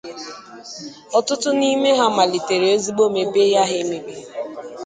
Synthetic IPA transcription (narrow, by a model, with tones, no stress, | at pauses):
ɔ˦˨tʊ˦tʊ˦ni˦me˦ɦa˦ma˨li˨te˨ɾe˨o˦zi˦ɡ͡bo˦me˨be˦ja˦ɦɪ˦me˨be˦